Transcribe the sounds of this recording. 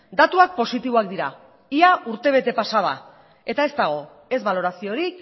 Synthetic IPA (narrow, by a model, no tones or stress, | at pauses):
d̪at̪uak̚po̞sit̪iβoak̚d̪iɾa | iaʔuɾt̪e̞β̞e̞t̪e̞pasaða̰ | e̞t̪ae̞szt̪aɣ̞o̞ | e̞zβalo̞ɾasio̞ɾik